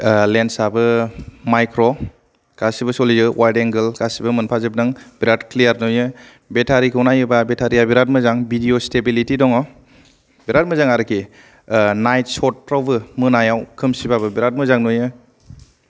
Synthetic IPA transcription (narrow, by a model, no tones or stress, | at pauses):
lensabɯmajkɾɔ | ɡ̥asibɯsɔlizɯwajdeŋɡɯlɡasibɯmɯnpʰazɯbnɯŋbiɾatklijaɾnujɯ | betʰaɾikʰɯwnajɯbabetʰaɾijabiɾat̚mɯzaŋbidiostebilitidɔŋɔ | biɾat̚mɯzaŋaɾɯkʰi | najtsɔt̚pɾawbɯmɯnajawkʰɯmsibabɯbiɾat̚mɯzaŋnujɯ